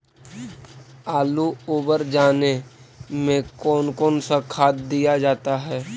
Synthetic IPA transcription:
aːluoːbəɾd͡ʒaːnemẽkɔːnkɔːnsakʰaːt̪̚d̪ijad͡ʒaːt̪aɦɛː

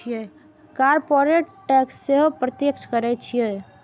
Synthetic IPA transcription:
ije | kaːɾpoɾeʈʈɛːksːeɦpɾət̪jekʃkəɾɛt͡ʃʰie

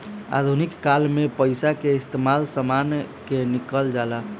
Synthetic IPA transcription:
a̰d̪ʱunikːalmepəjsakeist̪emalsəmankenikəld͡ʒala

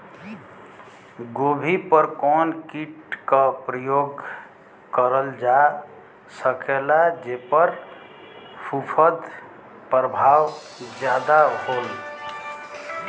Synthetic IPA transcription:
ɡobʱipəɾkɔnkiʈkəpɾəjoɡ | kəɾəld͡ʒa | səkelad͡ʒepəɾ | pʰupʰəd̪ | pɾəbʱaw | d͡ʒjad̪aɦol

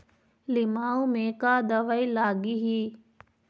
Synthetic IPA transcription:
lɪmaːumẽkaːd̪ɐʋailaːɡiɦiː

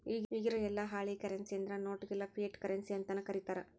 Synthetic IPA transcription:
iːiːɡiɾoɛlːɐɦaːɭikɐɾensijɐnd̪ɐɾɐnoːʈɡɛlːɐpʰieʈkɐɾensiɐnt̪ɐnːɐkɐɾit̪aːɾɐ

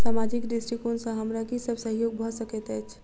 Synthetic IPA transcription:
saːmad͡ʒɪkɖɪsʈɾikonsãɦɐmɾakisəbsəɦjoːɡ̚bʱasəket̪ɛːt͡ʃʰ

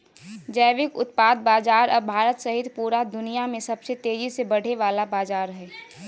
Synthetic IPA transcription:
d͡ʒəʋɪkʊt̪̚paːd̪̚baːd͡ʒaːɾɔːɾbʱaːɾət̪səɦɪt̪puːɾad̪ʊnijamẽsəbset̪eːd͡ʒisebəɽ̤eʋaːlabaːd͡ʒaːɾɦɛː

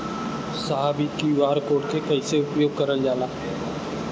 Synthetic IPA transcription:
saɦaːbiːkiːʋaːɾkoːʈkʰekəiːseʊpjoːɡ̚kəɾəld͡ʒaːlaː

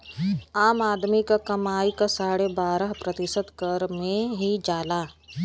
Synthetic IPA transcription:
aːmaːd̪mikakɐmaːikasaːɽebaːɾəɦpɾət̪ɪsət̪kəɾmẽɦid͡ʒaːlaː

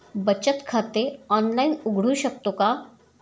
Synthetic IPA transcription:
bət͡ɕət̪kʰat̪eɔnlainʊɡɽ̤uɕək̚t̪oka

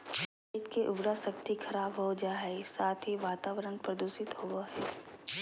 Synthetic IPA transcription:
ɪt̪keʔʊbɾasɐkt̪ikʰɐɾaːbɦod͡ʒaːɦɛsaːt̪ʰɦiʋaːt̪aːʋəɾənpɾɐd̪uːsɪt̪ɦoʋoɦɛː

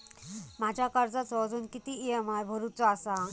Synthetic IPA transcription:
mad͡ʑʱjakəɾd͡zat͡sɔd͡zuːnkit̪iiəmajbʱəɾut͡sɔasa

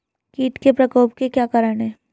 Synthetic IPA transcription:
kiːʈkepɾɐkəːp̚kekjaːkaːɾəɽ̃ɦɛː

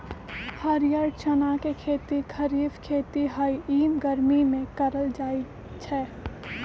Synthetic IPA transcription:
həɾjəɾt͡ʃənakekʰeːt̪ikʰəɾiːfkʰeːt̪iɦaːiiːmɡəɾmimẽkəɾəld͡ʒaːi | t͡ʃʰɛː

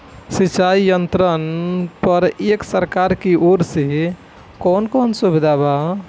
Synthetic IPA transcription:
sit͡ʃaijənt̪ɾənpəɾeksəɾkaɾkiʔoɾse | kɔnkonsubid̪ʱaba

